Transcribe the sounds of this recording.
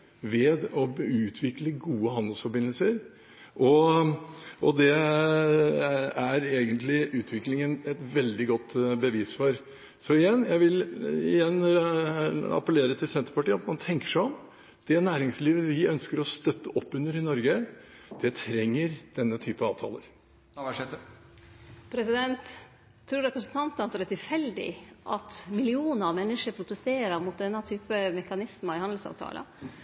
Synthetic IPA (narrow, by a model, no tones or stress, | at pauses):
ʋɛːd̪ɔʉːt̪ʰʋɪkləɡuːəɦɑnd̪əlsfɔɾbɪnːəlsəɾ | ʔɔ | ʔɔd̪ɛ | æɾeːɡənt̪ʰlɪʔʉːt̪ʰʋɪklɪŋənɛt̪ʋɛld̪ɪɡɔt̪ːbəʋiːsfɔɾ | sɔɪjɛnːjæɪʋɪlɪ̰jɛnː | ɑ̰pəleːɾət̪ʰɪlsɛnt̪əɾpɑʈiːəɑt̪mɑnt̪ʰɛŋkə̥ʂæɪɔm | d̪̥ɛnæːɾɪŋsliːʋəʋɪœnskəɾɔst̪œt̪ːəʔɔpːʉnːəɾɪnɔɾɡəd̪̥ɛt̪ʰɾɛŋːəɾd̪̥ɛnːət̪ʰyːpəɑːʋt̪ʰɑ̰ːlə̰ɾ | pʰɾɛsɪd̪ɛnt̪ʰː | ɾuːɾɛpɾəsn̩t̪ʰɑnt̪nɑt̪sɔɾɛt̪ɪlfɛld̪ɪ̰ʔɑt̪mɪlɪuːnəɾɑʋmɛnːəʂəɾpʰɾʊt̪əst̪eːɾəɾmʊt̪̚d̪ɛnːət̪ʰyːpəmɛkɑnɪsməɪhɑnd̪l̩sɑ̰ːʋt̪ʰɑ̰ːlə̰